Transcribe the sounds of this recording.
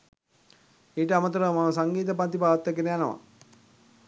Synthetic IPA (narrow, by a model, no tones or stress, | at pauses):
eːʈəamət̪uɾəmaməsaŋɡiːt̪̬əpant̪ipaːʋt̪ːəkenəjanəʋa̰